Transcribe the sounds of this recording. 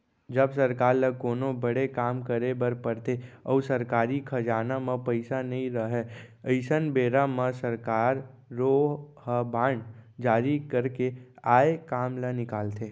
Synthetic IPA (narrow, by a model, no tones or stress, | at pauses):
d͡ʒəbsəɾkaːɾləkoːnõbəɽekaːmkəɾebəɾpəɾt̪eɔːsəɾkaːɾikʰɐd͡ʒaːnamə̃pəɪsanɐɦĩɾəɦɛəɪsənbeːɾamə̃səɾkaːɾː | oːɦhəbaːɳɖd͡ʒaːɾikəɾkeaːekaːmlənɪkaːlt̪ʰeː